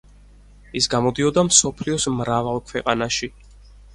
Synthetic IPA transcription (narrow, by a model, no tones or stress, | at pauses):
isɡamɔd̪iɔd̪amsɔpʰliɔsmɾavalˠkʰwɛqʼanaʃi